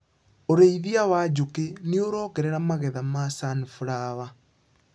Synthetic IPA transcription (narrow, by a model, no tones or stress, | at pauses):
oɾeiðiawad͡ʑokenioɾɔːkɛɾɛɾamaɣɛðamasanifuɾawa